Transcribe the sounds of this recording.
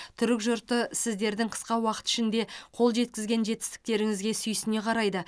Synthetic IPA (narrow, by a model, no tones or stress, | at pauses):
t̪ʰʏɾɪkʒʊɾt̪əsɪzd̪e̞ɾd̪ɪŋqʰə̥sqɑwɑqə̥t̪ɪ̥ʃɪnd̪e̞qʰo̞lˠʒe̞t̪kʲɪzɡʲe̞nʒe̞t̪ɪ̥st̪ɪ̥k̚t̪e̞ɾɪŋɪzɡʲe̞sʏjɪsɪne̞qʰɑɾɑjd̪ə